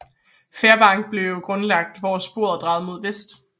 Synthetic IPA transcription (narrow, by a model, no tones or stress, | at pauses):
feːɐb̥ɑ̈ŋ̰ɡ̥̚b̥le̝ʊʊjoɡ̥ʁɔ̽nlɑ̈ɡ̥̚d̥ʋɒːsb̥o̝ɐ̰d̥ʁɑ̈ːð̩ˠmo̝ðˠʋesd̥